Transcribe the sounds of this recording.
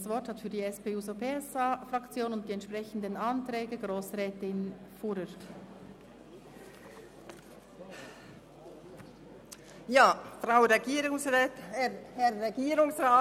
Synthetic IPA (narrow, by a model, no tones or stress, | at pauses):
svɔɾthatfyːɐdiːɛspeːuːzopʰeɛsafrɑkt͡sjoːnʊnt̚d̥iɛntt͡ʃʃpʁɛçən̩dənɑntɾɛːɡəɡʁoːsrɛːtɪnfuɾəɾt | jaːfʁaʊɾeɡiːɾʊŋsʁɛːtɛhɛɾːeɡiːɾʊŋsʁaː